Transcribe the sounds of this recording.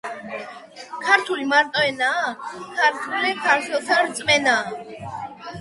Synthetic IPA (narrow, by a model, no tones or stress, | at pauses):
kʰaɾt̪ʰulimaɾt̪ʼɔɛnaːkʰaɾt̪ʰulikʰaɾt̪ʰwɛlˠsʰaɾt̪sʼmɛnaː